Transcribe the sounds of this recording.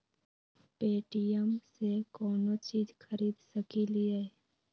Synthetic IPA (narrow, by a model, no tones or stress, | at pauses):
peːʈijəmsekɔːnot͡ʃiːzxʰəɾiːd̪səkilie